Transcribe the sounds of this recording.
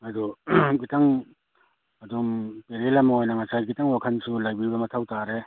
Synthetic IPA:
aduɡitaŋ | adumpeɾelamaojnaŋasajɡitaŋwakʰansulajbibɐmatʰawtaɾe

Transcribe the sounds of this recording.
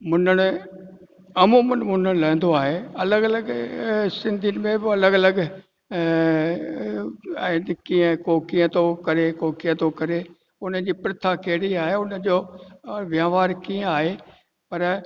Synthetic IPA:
mʊnəɽ̃ʊ | ɐmũmʊnmʊn̤əɽ̃lɛ̃ːnd̪oaːɦeɐləɡɐləɡsɪ̃nd̪ʱinmẽbɪɐləɡɐləɡ | nkiə̃kokijə̃t̪okɐɾekoːkijə̃t̪okɐɾe | ʊnə̆d͡ʑiːpɪɾɪt̪ʰakeːɽiaːɦeʊnə̆d͡ʑoːʋjaːʋaːɾkiːə̃aːɦe | pɐɾ

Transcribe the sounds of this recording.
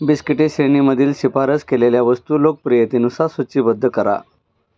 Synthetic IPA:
biskiʈeɕeniməd̪ʱiːlɕipaɾət͡skeleljaʋəst̪uːlok̚pɾijət̪inusasət͡ɕiːbəd̪ʱːəkəɾa̰

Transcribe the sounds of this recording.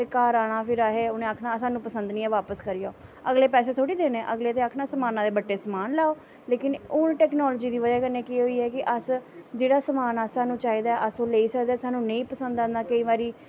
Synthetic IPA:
kaːɾaːɽ̃aːpʰɪɾaːɦeːʊnẽːaːkʰnãːsaːnũːpəsənd̪nĩːɛːʋaːpəskəɾɪjaːəɡleːpɛːs̬eːt̪ʰoːɽiːd̪eːnẽːʔəɡleːt̪eːaːkʰnaːsəmaːnãːd̪eːbəʈːeːsəmaːnlaːoː | leːkɪnʊnʈɛːknɔːloːd͡ʒiːd̪iːʋəd͡ʒaːkəɾneːkiɦoːiːɦɛːkɪʔəsd͡ʒeːɽaːsəmaːnaːsaːnũːt͡ʃaːiːd̪aːɛʔəsoːleiːsəkd̪aɛːsaːnũːnə̃ĩːpəsə̃nd̪ãːnd̪aːkəiːʋaːɾiː

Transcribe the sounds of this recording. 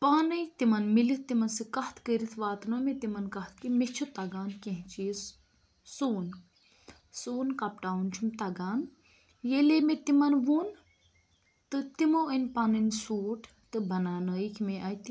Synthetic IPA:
paːnɨjt̪imɐnmilit̪imɐnsɨkɐht̪ʰkəɾit̪ʰʋaːt̪nomet̪imɐnkɐht̪ʰkimit͡ʃʰut̪ɐɡaːnkẽɦt͡ʃiːs | suːn | suːnkɐpʈaːunt͡ʃʰumt̪ɐɡaːn | jelemet̪imɐnʋuːn | t̪ɨt̪imoinpaːnɨnsuːʈʰ | t̪ɨbʱɐnaːnəːikʰʲmeʔajt̪i

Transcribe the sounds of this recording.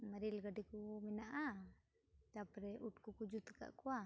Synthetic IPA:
maɾilɡadikuminaʔa | t̪apɾɛʔuʈ̚kukud͡ʒut̪ka̰ʔkua

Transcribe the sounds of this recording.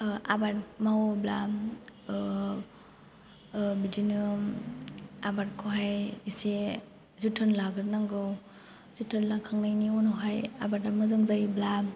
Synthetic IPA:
a̰bat̚mawɔbla̰ | bidinɯm | abatkʰɔɦajise | zutʰanlaɡɯɾnaŋɡɯw | zutʰanlakʰaŋnajniunɔɦajabatamazɯŋzajbla

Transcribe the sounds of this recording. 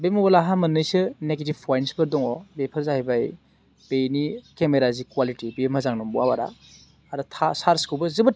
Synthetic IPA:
bemɔbɐlaɦamɐnːɯjsɯneɡetibpʰɔjnsbɯɾdɔŋɔbepʰɯɾzahibaj | b̥ejnikemeɾazikwalitibemhɐzaŋnɔmbuawaɾa̰ | aɾɯtʰasaɾskubɯzɯbɯ

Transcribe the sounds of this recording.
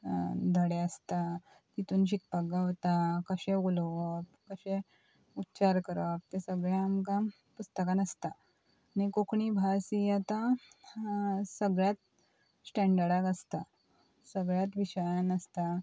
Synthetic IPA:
d̪ʱəɽeəst̪a | t̪it̪uːnɕik̚pak̚ɡaʋt̪akəɕẽulʋəp̚kəɕẽ | utːt͡ɕaɾkəɾəp̚t̪esəɡɭjaamkã | pust̪əkãnəst̪aː | ñikokɳibʱasijat̪a | səɡɭjat̪̚ | sʈɛ̃ɳɖəɽakəst̪a | səɡɭjat̪ʋiɕəjanəst̪a

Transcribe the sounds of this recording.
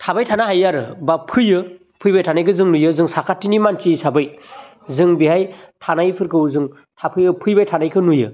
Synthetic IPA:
tʰabajtʰanaɦajaɾɯbapʰɯjɯ | pʰɯjbajtʰanajkɯzɯŋnujɯzɯŋsakʰatːinimansisabɯj | zɯŋbihajtʰanajpʰɯɾkʰɯwzɯŋ | tʰapʰɯjɯpʰɯjbajtʰanajkʰɯnujɯ̰

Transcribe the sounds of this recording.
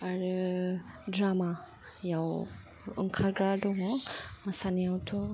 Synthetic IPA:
aɾu | dɾama | jaw | ɯ̰ŋkʰaɾɡɾadɔŋɔmasanijawtʰɔ

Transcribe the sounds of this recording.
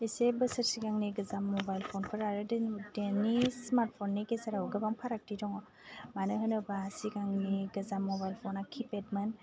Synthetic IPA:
isebəsəɾsiɡaŋniɡɯzamːɔbajlpʰɔnpʰɯɾaɾɯdendenismaɾt̚pʰɔnːekesaɾawɡɯbaŋpʰaɾak̚tidɔŋɔ | manɯɦɯnɯbasiɡaŋniɡɯzamːɔbajlpʰɔnakʰipet̚mɯn

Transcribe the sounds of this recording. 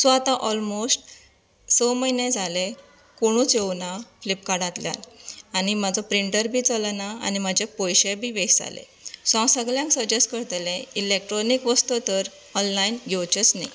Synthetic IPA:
sɔat̪aʔɔlmosʈ | səməinẽd͡zʱale | koɽ̃ũt͡sewnaflipkaɽãt̪lja̰lañimad͡zɔpɾiɳʈəɾbʱiːt͡səlnaa̰nimad͡ʑepɔjɕebʱiːʋekd͡za̰lḛ | sɔ̃səɡljãŋksəd͡ʑesʈkəɾt̪lẽilek̚ʈɾɔnikʋəst̪ɔt̪əɾ | ɔnlainɡʱewt͡ɕət͡snaj

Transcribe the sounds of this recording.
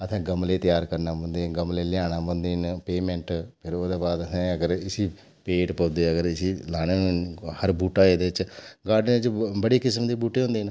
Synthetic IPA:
ət̪ʰɛ̃ːɡəmleːt̪ɪjaːɾkəɾnaːbə̃nd̪eːnɡəmleːlɪjaːñaːbə̃ːnd̪eːnpeːmɛ̃ɳʈpʰɪɾoːd̪eːbaːd̪ət̪ʰɛ̃ːəɡəɾɪsiː | peːʈpəːd̪eːəɡəɾɪsiːlaːñeːñhəɾbuːʈaːeːd̪eːɪt͡ʃɡaːɖnẽːt͡ʃbəɽiːkɪsmd̪iːbuːʈeːɦõnd̪eːn

